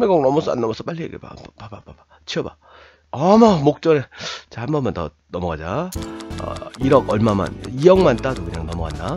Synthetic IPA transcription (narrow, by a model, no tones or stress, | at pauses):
meɡʌŋnʌmʌsʰʌa̰nːʌmʌsʰʌp͈aɭːiḛɡepa̰papapapa | t͡ɕʰiʌba | amamok̚t͡ɕ͈ʌɾet͡ɕahambʌnmantʌ̰ | nʌmʌɣad͡ʑa | ʌ̰iɾʌɡʌɭmama̰nijʌŋmant͈adokɯɲaŋnʌmʌɡanda